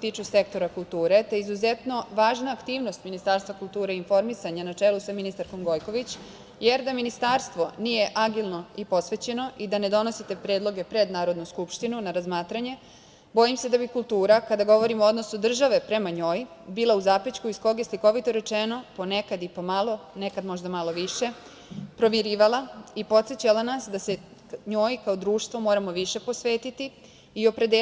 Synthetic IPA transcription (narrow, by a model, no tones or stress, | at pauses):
t̪iːt͡ʂuse̞k̚t̪o̞ɾakulˠt̪uːɾe̞t̪ojizuzet̪no̞ʋaːʒnaːkt̪iːʋno̞st̪minist̪aːɾst̪ʋakult̪uːɾeinfo̞ɾmisaɲanat͡ʂelusaminist̪aɾko̞mɡo̞jko̞ʋit͡ɕ | je̞ɾd̪aminist̪aɾst̪ʋo̞nije̞ʔaɡilˠno̞ipo̞sʋet͡ɕe̞no̞ʔid̪ane̞d̪o̞no̞sit̪e̞pɾeːd̪lˠo̞ɡe̞pɾe̞d̪naːɾo̞d̪nuskupʃt̪inunaɾazmaːt̪ɾaɲe̞ | bo̞imse̞d̪abikulˠt̪uːɾakad̪aɡo̞ʋo̞ɾimoo̞d̪no̞sud̪r̩ʒaʋe̞pɾe̞maɲo̞ːjbiːlauzapit͡ɕkuisko̞ɡje̞sliko̞ʋit̪oɾe̞t͡ʃeno̞po̞ne̞kad̪ipomalˠo̞nekad̪mo̞ʒd̪amalˠo̞ʋiʃe̞ | pɾo̞ʋjeɾiːʋalˠaipo̞t̪set͡ɕalanasd̪ase̞ | ɲo̞ːjkaod̪ɾuːʃt̪ʋo̞mo̞ːɾamo̞ʋiʃe̞po̞sʋe̞ːt̪it̪i | io̞pɾe̞d̪e